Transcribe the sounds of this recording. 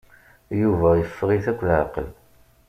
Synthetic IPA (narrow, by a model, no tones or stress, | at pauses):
juvæjəfːʁiθækʷːlʕa̰qəl